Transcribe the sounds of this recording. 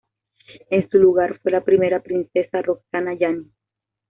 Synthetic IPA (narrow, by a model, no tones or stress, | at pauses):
e̞nsuluɣaɾfwe̞lapɾime̞ɾapɾinse̞sarok̚sanaʝani